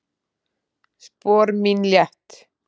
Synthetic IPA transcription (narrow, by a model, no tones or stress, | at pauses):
spɔːɾminljɛht̪